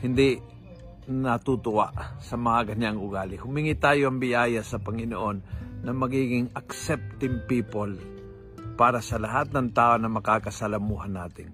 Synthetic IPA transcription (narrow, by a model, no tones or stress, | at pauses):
hɪnd̪ɪ | nɐt̪ut̪ʊʔa̰ʔsɐmɐŋaɡɐɲaŋʊɡaːlɪhʊmiŋɪt̪aːjoʔɐŋbɪʔaːjasɐpɐŋɪnoʔonːɐmɐɡiːɡɪŋɐksɛp̚t̪ɪmpiːpol | paːɾasɐlɐɦat̪̚nɐŋt̪aːʔonɐmɐkaːkɐsɐlɐmuːɦanːaːt̪ɪn